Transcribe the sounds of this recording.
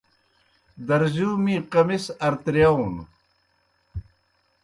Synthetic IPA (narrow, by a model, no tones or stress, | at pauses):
d̪ɐɾzuːmĩːqɐmisɐɾt̪ɾjawn